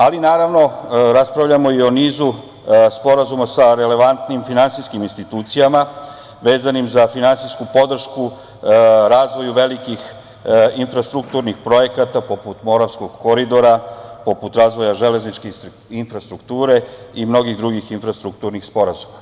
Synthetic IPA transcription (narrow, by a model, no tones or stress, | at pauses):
alinaːɾaʋno̞ɾaspɾaʋʎamo̞io̞niːzu | spo̞ɾazumasaɾe̞le̞ʋant̪nimfinansiskiminst̪it̪uːt̪sijama | ʋe̞ːzanimzafinansiskupo̞d̪r̩ʃku | ɾaːzʋo̞juʋe̞likix | infɾast̪ɾuk̚t̪uːɾnixpɾo̞je̞kat̪apo̞put̪mo̞ɾafsko̞ɡko̞ɾid̪o̞ɾapo̞put̪ɾaːzʋo̞jaʒe̞leznit͡ʃke | infɾast̪ɾukt̪uːɾe̞imno̞ɡiɣd̪ɾuɡixinfɾast̪ɾuk̚t̪uːɾnixspo̞ɾazuma